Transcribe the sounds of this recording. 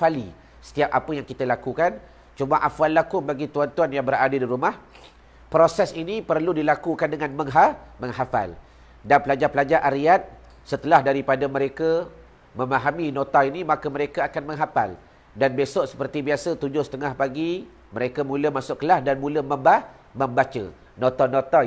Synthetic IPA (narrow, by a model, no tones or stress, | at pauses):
fali | sə̥t̪iap̚apəjaŋkit̪əlakukan | t͡ʃumaʔafalːakʊŋbaɡit̪uant̪uanjaŋbəɾadədiɾumah | pɾosɛsinipərludilakukandəŋãnməŋɦaməŋɦafa̰l | danpəlad͡ʒapəlad͡ʒaʔaɾiat̪̚ | sət̪əlahdaɾipadaməɾeka | məmaɦamĩnõt̪ainimakaməɾekaakanməŋɦapa̰l | danbesɔʔsə̥pərt̪ibiasət̪ud͡ʒʊhsət̪əŋahpaɡi | məɾekamũləmasʊʔkəlahdanmũləmə̃mba | məmbat͡ʃə̰ | nõt̪anot̪a